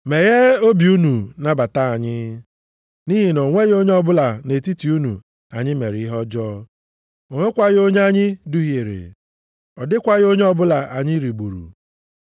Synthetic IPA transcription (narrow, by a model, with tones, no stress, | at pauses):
me˨ɣe˦o˦bi˨u˦nu˨na˨ba˨ta˦a˨ɲɪ˦ | ni˦ɦi˨no˨ŋʷe˦ɣo˦ɲe˦ɔ˦bʊ˦la˨ne˨ti˦ti˨u˦nu˨ | a˨ɲɪ˦me˨ɾɪ˨˦i˦ɦɔ˦d͡ʒɔː˦ | o˨ŋe˦kʷa˦ɣo˦ɲe˦a˦ɲɪ˦du˦ɦe˨ɾɪ̰˨ | ɔ˨dɪ˦kʷa˦ɣo˦ɲe˦ɔ˦bʊ˦la˨ʔa˨ɲɪ˦ɾi˨ɡ͡bṵ˨ɾṵ˨